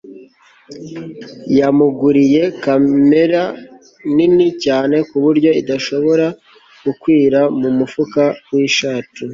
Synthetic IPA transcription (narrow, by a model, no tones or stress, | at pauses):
jamuɡuɾije̞kame̞ɾa | ninicaːne̞kuβuɾɟo̞idaʃo̞βo̞ɾa | ɡ̥ukwiːɾamumufukawiʃaːtu